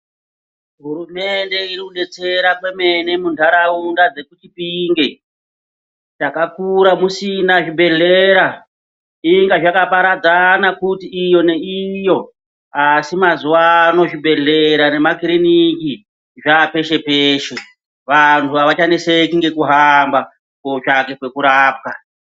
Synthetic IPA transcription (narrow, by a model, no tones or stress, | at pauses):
ɦuɾume̞nde̞irikuɗe̞t͡se̞ɾakwe̞me̞nemundʱaɾaundad͡ze̞kut͡ʃipiŋɡe | t͡ʃakakuɾamusinaʐibʱe̞ɮeɾa | iŋɡaʐakapaɾad͡zanakutiːjo̞ne̞ijo̞ | asimazuwano̞ʐibʱe̞ɮe̞ɾane̞makiriniki | ʐape̞ʃe̞peːʃe̞ | ʋantʰuaʋat͡ʃanese̞kiŋɡe̞kuɦamba | koʐake̞kwe̞kuɾaːp̚ka